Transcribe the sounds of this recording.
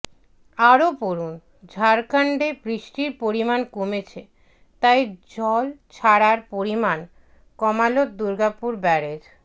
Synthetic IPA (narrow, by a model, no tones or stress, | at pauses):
aɾopoɾun | d͡ʑʱaɾkaɳɖebɾiʃʈiɾpoɾimankomet͡ɕʰe | t̪ajd͡ʑɔlt͡ɕʰaɾaɾpoɾiman | kɔmalot̪̚d̪uɾɡapuɾbɛɾed͡ʑ